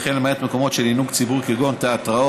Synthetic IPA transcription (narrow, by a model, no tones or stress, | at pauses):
χenlemajat̪meko̞mo̞tʃelinuɡt͡sibuʁkiɡo̞nt̪aat̪ʁao